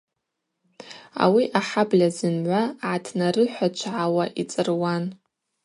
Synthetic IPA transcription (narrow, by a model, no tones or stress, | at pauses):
a̰wiʔaħablʲazɨnʕʷaʕatʰnarɨħʷat͡ʃʷʰʕawaʔit͡sʼɨrwan